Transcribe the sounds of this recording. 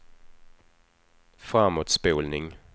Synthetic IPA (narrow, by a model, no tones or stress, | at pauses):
fʁɑmod̪sb̥eːlnɪŋ